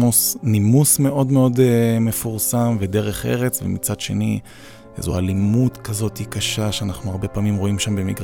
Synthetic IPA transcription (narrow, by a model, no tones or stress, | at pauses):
usnimusme̞ʔo̞dmeo̞dmefuʁsamved̪e̞ʁeχe̞̰ʁe̞t͡svḛmit͡sadʃe̞̰ni | ezualimutkazo̞t̪ikaʃaʃeanaχnuaʁbe̞paːmimʁo̞imʃambe̞miɡʁ